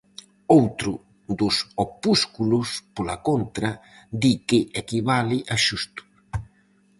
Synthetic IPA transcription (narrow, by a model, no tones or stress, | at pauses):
owt̪ɾʊ | d̪ʊsopuskulʊspolakont̪ɾɐ | d̪ikɪʔɛkiβalɪʔaʃust̪ʊ̥